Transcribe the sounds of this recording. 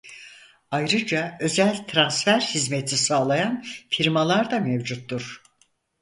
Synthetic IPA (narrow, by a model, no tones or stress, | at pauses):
ajɾɯd͡ʒaø̞zælʲt̪ʰɾansfæɾhizmet̪ʰisaːlˠajanfiɾmalˠaɾd̪amevd͡ʒut̪ːuɾ̥